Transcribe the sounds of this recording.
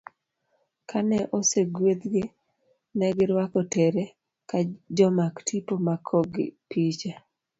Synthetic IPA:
kʰanɛʔoseɡwed̪ɡɪ | nɛɡɪɾwakɔteɾe | kad͡ʒɔmaktʰipomakʰɔɡɪ̰pit͡ʃa

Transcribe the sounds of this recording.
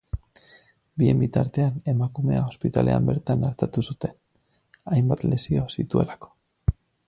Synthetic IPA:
bie̞̰mbit̪aɾt̪e̞ane̞makume̞aospit̪a̰lʔe̞̰a̰mbe̞ɾt̪anaɾt̪at̪usut̪e̞n | ajmbat̪le̞sio̞sit̪ue̞̰lako̥

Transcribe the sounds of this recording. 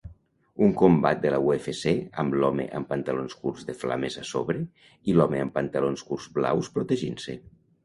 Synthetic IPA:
uŋkombat̪̚d̪əlauefeseəmblɔmḛʔəmpənt̪alonskurzðəfla̰mezaso̰βɾe | ilɔmeəmpənt̪alonskurzbla̰wspɾot̪eʒinse

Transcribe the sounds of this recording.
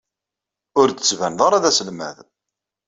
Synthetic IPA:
ʊɾd̪ət͡sːvænðˤɑɾˤaðæsəlmæ̰ð

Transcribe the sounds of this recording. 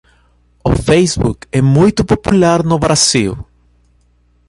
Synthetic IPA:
o̰fejzbṵkɛmujt̪ʊpopulaɾnoβɾasiw

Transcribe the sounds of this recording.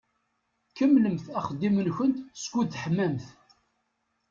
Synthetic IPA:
kəmːləmθæχəd̪ːimənçənt̪skʷuθħəmːæmθ

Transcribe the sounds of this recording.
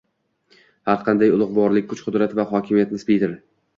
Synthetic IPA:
haɾqʰɑnd̪ajʊlˠʊʁbɒɾlɪk̚ʲkʰʊt͡ʃqʰʊd̪ɾat̪vaɦɒkʲʰɪmijat̪̚nɪspijt̪ɪɾ

